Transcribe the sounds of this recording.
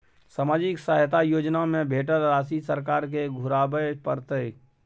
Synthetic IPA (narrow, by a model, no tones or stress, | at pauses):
samaːd͡ʒɪksaːɦt̪ajoːd͡ʒnamẽbʱeːʈəɾːaːsisəɾkaːɾk̬eɡʱʊɾaːbəpəɾt̪ək